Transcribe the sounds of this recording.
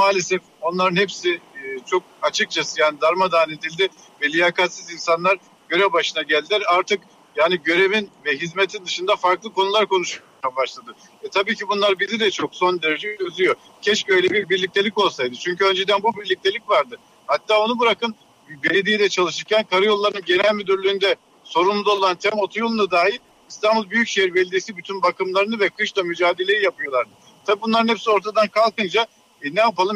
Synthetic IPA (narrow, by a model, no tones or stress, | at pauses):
maːlʲesɛf | o̞nlˠaɾɯnhɛpsɪt͡ʃʰo̞k̚at͡ʃʰɯk̚t͡ʃʰasɯjaːnid̪aɾmad̪aːnet̪ilʲd̪ɪ | vɛlʲijakʰat̪sizinsanlˠaɾ | ɟ̥ø̞ɾɛvbaʃɯnaɟælʲd̪ilʲæɾaɾt̪ʰɯk | jaːniɟø̞ɾe̞vinvɛɦizmet̪ʰind̪ɯʃɯnd̪afaɾklˠɯko̞nulˠaɾkʰo̞nuʃu | abaʃlˠad̪ɯ | ɛt̪ʰabiːcibunlˠaɾbizid̪ɛt͡ʃʰo̞kso̞nd̪eɾed͡ʒet͡ʃøzyjo̞ | cʰɛʃcø̞jlʲɛbiɾbiɾlʲic̚t̪ʰe̞lʲiko̞nusajd̪ɯt͡ʃʰyɲcyø̞nd͡ʒed̪ænbubiɾlʲic̚t̪ʰe̞lʲicvaɾd̪ɯ | hat̪ːaːo̞nubɯɾakɯn | be̞lʲed̪ijd̪ɛt͡ʃʰalˠɯʃɯɾcʰʲænkʰaɾɯjo̞lˠːaɾnɯnɟe̞nælʲmyd̪yɾlʲyːnd̪ɛ | so̞ɾund̪ao̞lˠant̪ʰɛmo̞t̪ʰujolˠunad̪aːjilʲ | ist̪ʰanbulˠbyjycʃejiɾbelʲed̪isibyt̪ʰynbakɯmlˠaɾɯnɯvɛkʰɯʃt̪ˠamyd͡ʒaːd̪e̞lʲe̞ɾijapɯjo̞lˠaɾd̪ɯ | t̪ʰabiːbunˠaɾɯnhɛpsio̞ɾt̪ʰad̪ankʰalˠkɯnd͡ʒa | nɛjapalˠɯm